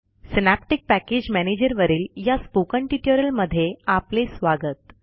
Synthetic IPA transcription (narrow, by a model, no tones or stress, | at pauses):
sinæp̚ʈik̚pæked͡ʑmæned͡ʑəɾʋəɾiːljaspokəɳʈiʈjəɾəlməd̪ʱːjeaplesʋaɡət̪